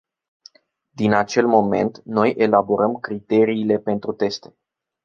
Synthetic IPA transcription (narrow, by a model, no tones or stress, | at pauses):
d̪inat͡ʃe̞lmo̞me̞̰nt̪no̞jʔe̞labo̞ɾəmkɾit̪e̞ɾiːle̞pe̞nt̪ɾut̪e̞st̪e̞